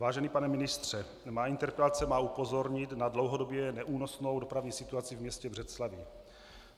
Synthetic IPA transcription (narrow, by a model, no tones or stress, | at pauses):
vaːʒɛniːpanɛmɪnɪst̪r̝̥ɛ | maːint̪ɛɾpɛlat͡sɛmaːupo̞zo̞ɾɲɪt̪nadlo̞wɦodo̞bjɛnɛʔuːnosno̞wdo̞pɾavɲiːsɪt̪uat͡sɪvmɲɛscɛbr̝ɛt̪slavɪ